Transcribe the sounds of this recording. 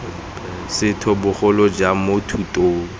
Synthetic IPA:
sɪtʰɔbʊχʊlɔd͡ʒamotʰutʼoːŋ̩

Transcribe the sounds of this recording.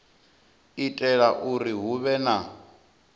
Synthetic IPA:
itʼɛɺaʔuɾiɦuβɛna

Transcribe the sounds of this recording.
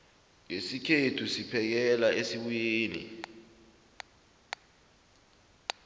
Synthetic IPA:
ŋesikʰetʰusipʰɛk̬ɛlaʔesiɓujeːnḭ

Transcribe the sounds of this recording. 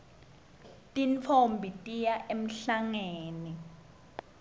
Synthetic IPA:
tʼint͡fʰombʱitʼijaʔem̩ɬaŋeːni

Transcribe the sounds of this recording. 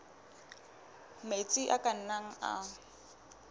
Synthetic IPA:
met͡sʼiʔakʼan̩naŋ̩a̰

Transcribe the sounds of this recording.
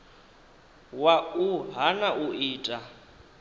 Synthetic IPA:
wauɦanaʔuiːtʼa

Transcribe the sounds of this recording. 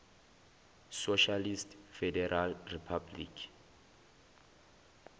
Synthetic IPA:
soʃalistfɛdɛralripʰablḭkʰ

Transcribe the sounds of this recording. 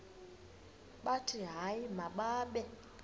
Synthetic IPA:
ɓatʰiɦaimaɓaːɓɛ

